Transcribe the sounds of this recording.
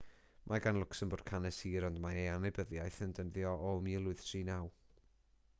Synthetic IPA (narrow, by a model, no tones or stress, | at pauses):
mʔaɡanlˠʊksənboːd̥kʰanɛsiːɾɔndmaejanebəðjajθəndənðjɔʔɔmiːlˠʊɨð̥tʰriːnaw